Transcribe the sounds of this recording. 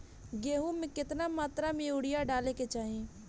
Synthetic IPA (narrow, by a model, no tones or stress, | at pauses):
ɡeːɦũmẽkɪt̪namaːt̪ɾamẽʊɽɪjaɖaːleket͡ʃaːɦẽː